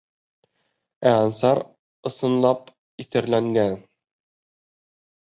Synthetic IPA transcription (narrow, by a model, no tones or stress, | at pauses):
æɑnsɑɾ | ɤ̆sɤ̆nlˠɑp | iθɘ̆ɾlæŋɡæn